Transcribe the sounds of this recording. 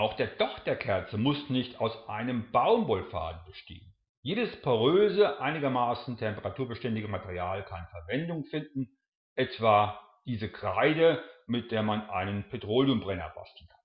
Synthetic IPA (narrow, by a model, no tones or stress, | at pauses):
ʔaʊxd̥eːɐd̥ɔχd̥eːɐkʰɛɐt͡səmʊsnɪçtaʊsʔaɪnəmbaʊmbɔlfa̰ːdn̩bəʃtḛːən | jeːdəspʰɔʁøːzəʔaɪnɪɡɐmaːsn̩tʰɛmpəʁatʰuːɐbəʃtɛndɪɡəmatʰeʁiaːlkʰanfɛɐvɛndʊŋfɪndn̩ | ʔɛtv̥aː | d̥iːzəkʁ̥aɪdəmɪt̚d̥eːɐmanʔa̰ɪnənpʰetʁ̥oːljʊmbʁɛnɐ̰b̥a̰stl̩n̩kʰḁn